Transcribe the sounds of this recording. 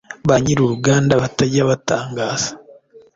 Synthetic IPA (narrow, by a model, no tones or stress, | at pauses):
βaɲiɾuɾuɡaːndaβataɟaβataːŋɡaːz̥ḁ